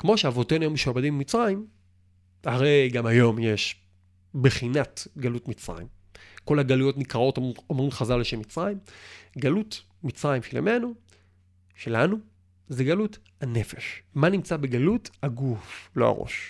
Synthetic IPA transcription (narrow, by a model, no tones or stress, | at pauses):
kmo̞ʃeavo̞tenujomeʃuabadimbemit͡sʁaim | aʁejɡamajo̞mjeʃ | beχinatɡalutmit͡sʁa̰ḭm | ko̞laɡalujo̞tnikaʁo̞tomʁimχazalːeʃemːit͡sʁajimɡalut | mit͡sʁaimʃelḛme̞nu | ʃelanu | zeɡaluthanefeʃmanimt͡sabeɡaluthaɡuflo̞a̰ʁo̰ʃ